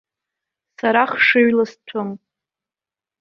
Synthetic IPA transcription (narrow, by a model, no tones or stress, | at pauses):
saɾaχʂɨɥlastʷʰʊm